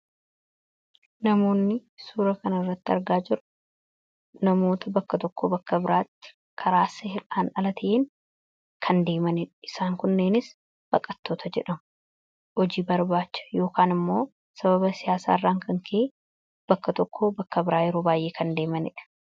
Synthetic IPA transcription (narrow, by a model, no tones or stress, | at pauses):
nɐmo̞ːnːɪsuːɾɐkɐnɐɪrːɐt̪ːɪɐɾɡaːd͡ʒɪɾʊ̥ | nɐmo̞ːt̪ʰɐbɐkːɐt̪ɔkʰːobɐkːɐbɪɾaːt̪ːɪ̥ | kʰɐɾaːsɐhɪlaːnɐlɐt̪ʰɐʔeːŋ | kʰɐnd̪e̞ːmɐnɪᶑɐ̥ɪsaːŋkʊnːeːnɪs | b̥ɐkʼːɐt̪ːoːt̪ʰɐd͡ʒɛᶑɐmʊ | hɔd͡ʒiːbɐɾbaːt͡ʃːɐ̥jo̞ːkaːnɪmːo̞ː | sɐβɐbɐsɪjaːsa̰ːɪrːaːŋkɐŋkʰe | b̥ɐkːɐt̪ɔkʰːobɐkːɐbɪɾaːjɛɾo̞ːbaːjʔe̞ːkʰɐnd̪e̞ːmɐnɪ̰ᶑɐ̥